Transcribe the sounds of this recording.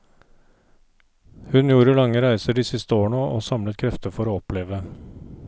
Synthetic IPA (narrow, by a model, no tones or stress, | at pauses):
hʉnjuːɾəlɑŋːəɾæɪsəɖiːsɪst̪əoːɳoːʔoːsɑmlət̪̚kʰɾɛft̪əfɔɾoːɔpleːʋə